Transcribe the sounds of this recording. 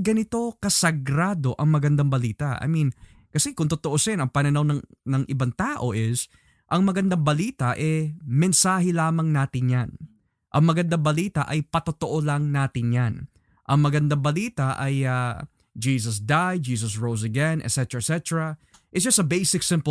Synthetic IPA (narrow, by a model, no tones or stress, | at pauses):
ɡɐnɪt̪o̞kɐsɐɡɾaːd̪o̞ʔɐŋmɐɡɐnd̪aŋbɐliːt̪ɐʔɐ̰jmin | kɐsɛkʊŋt̪ʊt̪oʔosɛnɐŋpɐnɐnɐwnɐŋnɐŋʔɪbaŋt̪aːʔo̞ʔɪs | ʔɐŋmɐɡɐnd̪aŋbɐliːt̪ɐʔɛmɛnsaːɦɛlaːmɐŋnaːt̪ɪnjan | ʔɐŋmɐɡɐnd̪aŋbɐliːt̪ɐʔɐjpɐt̪ot̪oʔo̞lɐŋnaːt̪ɪnjan | ʔɐŋmɐɡɐnd̪aŋbɐliːt̪ɐʔɐ̰ja | d͡ʒiːs̬ɐs̬d̪aj̚d͡ʒiːs̬ɐsɹows̬ɐɡɛnɛ̰t̪sɛt̪ɛɹɐsɛt̪ɛɹɐ | ʔɪt̪sd͡ʒɐsɐbejsɪksɪ̃mp